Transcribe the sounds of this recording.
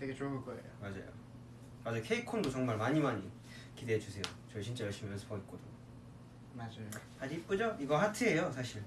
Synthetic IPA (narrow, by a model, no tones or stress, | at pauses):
tʰeɡet͡ɕoɯɭk͈ʌḛjomad͡ʑa̰jo̰ | mad͡ʑukʰe̞ikʰondot͡ɕʌŋmaɭmaɲimaɲi | kideɦed͡ʑusʰe̞jot͡ɕʌɕʰint͡ɕ͈ajʌɭɕ͈imiʌɭsʰpʰʌik͈odɯŋo | mad͡ʑajo | ad͡ʑip͈ud͡ʑʌiɡʌɦatʰɯejosʰaɕʰiɭ